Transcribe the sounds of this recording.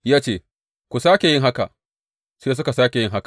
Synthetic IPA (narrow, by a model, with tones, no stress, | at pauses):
jaː˦t͡ʃeː˦˨ | kʷu˨saː˦kʲe˨jɪ˦ŋɦa˦ka̰˨ʔ | seː˦s̬ʊ˦ka˨saː˦kʲe˨jɪ˦ŋɦa˦kḁ˨